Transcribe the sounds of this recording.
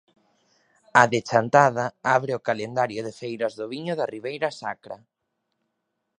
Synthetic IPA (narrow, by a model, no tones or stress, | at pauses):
aðet͡ʃant̪að̞aaβɾeʊkalend̪aɾjʊðefejɾɐzðʊβiɲʊðariβejɾɐsakɾa̰